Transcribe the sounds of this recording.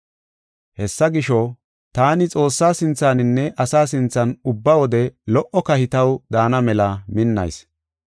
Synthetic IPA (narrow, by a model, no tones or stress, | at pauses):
hɛsːɐɡɪʃɔ | t̪aːnɪt͡sʼo̞ːsːaːsɪnt͡saːnɪnːɛʔɐsaːsɪnt͡sːɐnʊbːɐwɔd̪ɛlɔʔɔkɐhɪt̪ɐwd̪aːnɐmɛlɐmɪnːɐ̰js